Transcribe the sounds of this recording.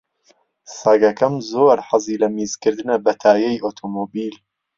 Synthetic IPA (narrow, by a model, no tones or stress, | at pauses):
sɐɡɐkɐmzoːɾħaziːlɐmiːz̥kɨɾd̪ɨnɐbɐt̪ʰaːjɛjʔoːt̪ʰoːmoːbiːl